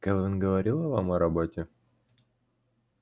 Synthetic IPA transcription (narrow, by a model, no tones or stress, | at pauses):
kavɘnɡəvɐɾʲilˠɐva̰mɐɾɐbot̪ʲe